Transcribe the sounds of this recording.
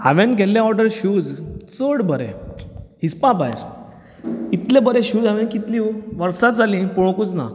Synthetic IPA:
a̰ʋẽnɡʱɛljaɔɾɖəɾɕuːd͡zt͡səɽbəɾḛhispãba̰jɾ | it̪lẽbəɾẽɕuːd͡zaʋɛnkit̪lĩʋəɾsat̪̚d͡zalĩpɔɽ̃okut͡sna̰

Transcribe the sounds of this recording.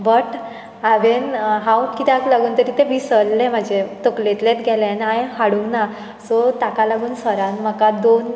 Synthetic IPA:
bəʈ | aʋenɦãwkit̪aklaɡuːnt̪əɾiːt̪ebʱisəlːem̤ad͡ʑet̪oklet̪let̪ɡʱɛlẽnãjhaɽũŋkna | sɔt̪akalaɡuːnsəɾãnm̤akad̪on

